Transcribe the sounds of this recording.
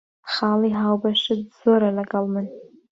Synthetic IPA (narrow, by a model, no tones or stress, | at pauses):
χaliɦawbaʃɪdzoɾalaɡʼalmɨn